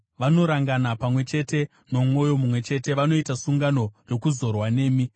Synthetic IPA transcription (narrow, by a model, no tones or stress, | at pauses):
ʋano̞ɾaŋɡanapamwe̞t͡ʃe̞te̞ | no̞mwo̞jo̞mumwe̞t͡ʃe̞te̞ʋano̞itasuŋɡano̞ro̞kuzo̞rwane̞ːmi